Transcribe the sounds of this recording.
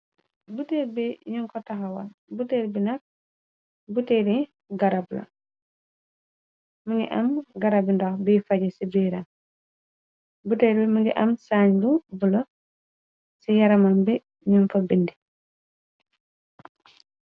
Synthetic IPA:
buteɾbiɲuŋkɔtaɦawabuteɾbinak̚ | buteɾi | ɡaɾabla̰ | muŋɡḭʔamɡaɾabindɔhbiːfaɟɛsibiɾan | buteɾbimuŋɡiʔamsaːɲbubulɔ | sijaɾamambi | ɲunfabindi

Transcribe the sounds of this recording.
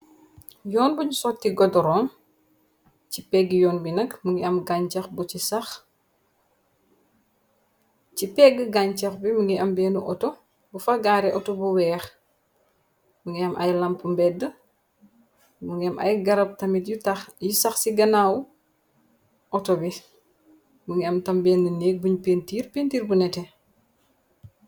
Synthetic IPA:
jɔːnbuɲusɔtːiɡɔdɔɾɔːn | cipɛɡːjɔːnbinɐkmuŋɡiɐmɡaɲt͡ʃɐxbucisɐx | cipɛɡːəɡaɲt͡ʃɐxbimuŋɡiɐmbɛːnuʔɔtɔ | bufɐɡaːɾɛʔɔtɔbuwɛːx | muŋɡiɐmʔɐ̰jlɐmpmbɛdə | muŋɡiɐmʔɐ̰jɡɐɾɐp̚tɐmitjtɐjusɐxsiɡɐnaːw | ʔɔtɔbi | muŋɡiɐmtɐmbɛːnduneːk̚buɲpeːntiːɾpeːntiːɾbunɛtɛ

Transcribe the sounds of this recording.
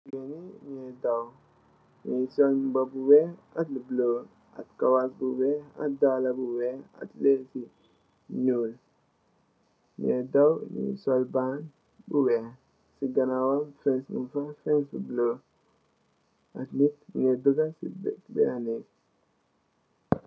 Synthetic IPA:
ɡeniɲedaw | ɲisolbabuweatlubloː | a̰tkawat̚buwea̰t̚dalabuwea̰tlesi | nuːl | ɲedawɲḭsolban | buwe | siɡanawafensmṵfafensbublo | atnit̚buɲeduɡasḭbtbḛane

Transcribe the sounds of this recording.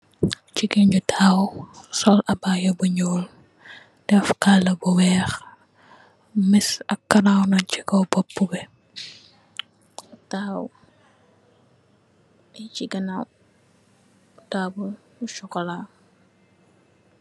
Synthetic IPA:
t͡ʃiɡiɲd͡ʒutʰaːwsɔlʔɐbaːjɐbuɲɔːl | d̥ɛfkalːɐbuwɛːx | misɐkːɐnawnɔt͡ʃikɔwbɔpːubɛ | taw | it͡ʃiɡɐnaw | tabul | buʃɔkɔlaː

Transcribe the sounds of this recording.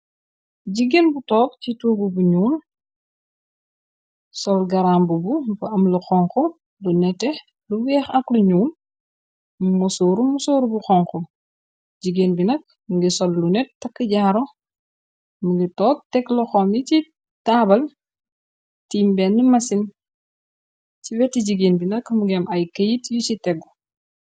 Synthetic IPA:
ɟiɡenbutɔːk̚cituːɡubuɲuːn | sɔlɡɐɾaːmbubumpɐɐmluxɔŋxɔ | lunɛtːɛ | luwɛːxɐkluɲuːn | musoːɾumusoːɾubuxɔŋkɔ | ɟiɡeːnbinɐk̚ | muɡisɔlːunɛtːɐkːəɟaːɾɔ | muŋɡitɔːk̚tɛkːlɔxɔmjici | taːbɐl | tiːmbɛnːimɐsin | ciwɛtːiɟiɡeːnbinɐkmuɡɛmʔɐjkɐjitjucitɛɡu

